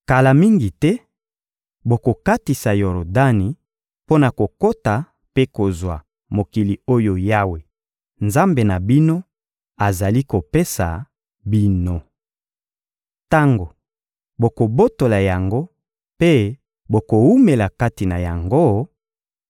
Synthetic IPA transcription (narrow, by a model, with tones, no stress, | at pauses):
ka˨la˨mi˦ŋɡi˨tɛ˦ | bo˨ko˨ka˦ti˨sa˨jo˨ɾo˨da˦ni˨ | po˦na˨ko˨ko˦ta˨ | pe˦ko˨zwa˨ | mo˨ki˨li˨o˦jo˨ja˦we˨ | nza˦mbe˨na˨bi˦no˦ | a˨za˨li˦ko˨pe˦sa̰˨ | bi˦no˨ | ta˦ŋɡo˨ | bo˨ko˨bo˦to˨la˨ja˨ŋɡo˦ | pe˦ | bo˨ko˨u˦me˨la˨ka˦ti˨na˨ja˨ŋɡo˦